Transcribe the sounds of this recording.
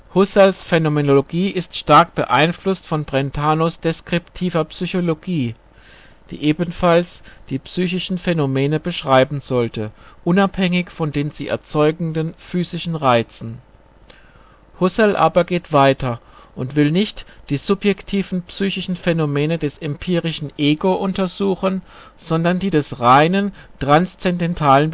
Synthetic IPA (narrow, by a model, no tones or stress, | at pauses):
hʊsɛlsfenomenoloɡiːʔɪstʃtaɐk̚b̥ə̰ʔa̰ɪnflʊstfɔnbʁɛntʰaːnosd̥eskʁ̥ɪptʰiːvɐpsyçoloɡiː | d̥ḭːʔeːbn̩falsd̥iːpsyːçɪʃn̩fenomeːnəbəʃʁ̥aɪbm̩zɔltʰəʔʊnaphɛŋɪçfɔndeːnzḭːʔɛ̰ɐt͡sɔʏɡŋ̩dənfyːzɪʃn̩ʁaɪt͡sn̩ | hʊsɛlʔa̰ːbɐɡeːtv̥aɪtʰɐʔʊntv̥ɪlnɪçtd̥iːzʊpjɛktʰiːvn̩psyːçɪʃn̩fɛnomɛːnədɛsɛmpʰiːʁɪʃn̩ʔeːɡoʔʊntɐzuːxən | z̥ɔndɐndiːdɛsʁaɪnəntʁ̥anst͡sɛndɛntʰaːlən